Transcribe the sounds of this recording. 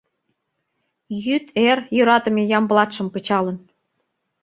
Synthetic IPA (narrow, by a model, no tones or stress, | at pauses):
jyt̪erjøɾɑt̪ə̆mejɑmblɑt̪ʃə̆mkə̆t͡ɕɑlə̆n